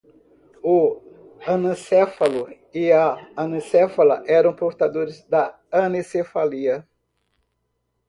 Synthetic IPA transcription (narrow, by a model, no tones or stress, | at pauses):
ʊ | ɐnɐ̃sɛfɐlʊ | ɪɐɐnɐ̃sɛfɐlɐʔɛɾɐ̃w̃poɾt̪ad̪oɾɪzd̪ɐ | ɐnesefaliɐ